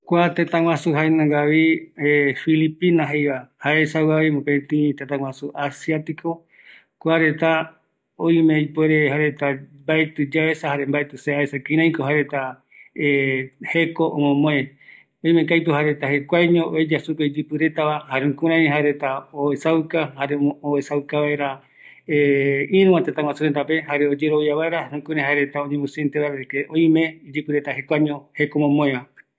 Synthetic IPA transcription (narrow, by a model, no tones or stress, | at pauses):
kʷat̪et̪ãŋw̃ʷãsuɦaenãɡaβiefilipinaɦejβahaesawaβimõpet̪ĩt̪et̪ãwʷãsuʔasiat̪ikʰo | kʷaɾet̪a | ojmẽipweɾehaɾet̪abaet̪ɨd͡ʒaesahaɾembaet̪ɨseaesakĩɾ̃ãj̃koɦaɾet̪a | ehekoʔomõmõe | oĩmẽkajt̪uɦaɾet̪ahe̞kʷaɲõʔoed͡ʒasupeid͡ʒɨpɨɾe̞t̪aβahaɾeũkũɾ̃ãɦaɾet̪aoesawkahaɾeoesawkaβaeɾa | eĩɾũwãt̪et̪ãŋwasuɾent̪ape̞haɾeod͡ʒeɾoβiaβaeɾahũkuɾ̃ãɦaeɾet̪aoɲẽmũsint̪eβaβekeʔõĩmẽid͡ʒɨpɨɾe̞t̪ahe̞kʷaɲõhe̞komõmõeβa